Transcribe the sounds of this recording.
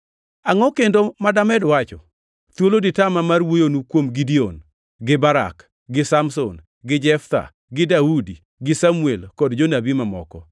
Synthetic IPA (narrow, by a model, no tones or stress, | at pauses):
aŋɔkendomadamɛdwat͡ʃɔ̰ | t̪woloditamamarwojonukwomɡidion | ɡɪbaɾa̰k | ɡɪsamso̰n | ɡɪd͡ʒɛft̪a̰ | ɡɪdaudi | ɡɪsamuelkɔdd͡ʒonabimamɔ̰kɔ